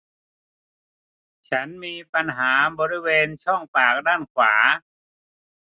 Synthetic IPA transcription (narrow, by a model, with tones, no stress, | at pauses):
t͡ɕʰa˦˥nmiː˧pa˧nɦaː˩˦bɔː˧ɾi˦˥weː˧nt͡ɕʰɔ˥˩ŋpaː˨˩k̚daː˥˩nkʰwaː˩˦